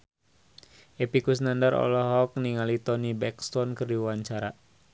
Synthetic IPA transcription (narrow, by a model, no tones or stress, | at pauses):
ʔepikusnandarɔ̰lɔɦɔk̚niŋalit̪ɔnibɛkst̪ɔnkɨrdiwaɲt͡ʃaɾa